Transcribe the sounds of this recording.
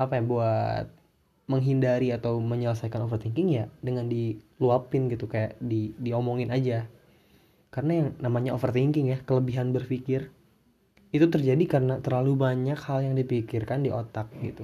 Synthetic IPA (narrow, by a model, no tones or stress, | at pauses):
apajabuat̪̚ | məŋɦindaɾiat̪awməɲələs̬ajkanofərt̪iŋkɪŋjadəŋandiluapɪnɡit̪ukajaʔdidiomoŋɪnad͡ʒa | karənajaŋnamaɲaʔofərt̪iŋkɪŋjakələbiɦanbərfikɪr | it̪ut̪ərd͡ʒadikaɾənat̪ərlalubaɲakhaljaŋdipikɪrkandiʔot̪ak̚ɡit̪u